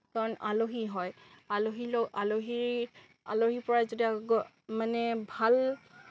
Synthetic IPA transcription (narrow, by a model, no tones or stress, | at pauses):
kaɹɔna̰loɦiɦɔj | aloɦiloaloɦiɹ | a̰loɦipɔɹazodiaɡɔ | manɛbʱal